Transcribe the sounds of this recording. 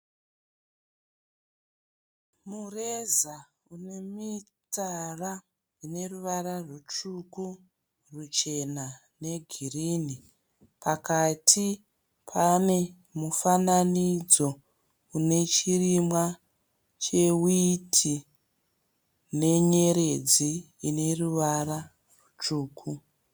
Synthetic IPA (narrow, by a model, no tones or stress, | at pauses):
mureza | unemit͡sara | une̞ruʋararut͡ʃuku | rut͡ʃe̞na | ne̞ɡʱirini | pʰakatʰi | pʰane̞ | mufananid͡zo̞ | une̞t͡ʃirimwa | t͡ʃe̞witʰi | ne̞ɲe̞ɾe̞d͡ziː | ne̞ruʋara | rut͡ʂuːkʰu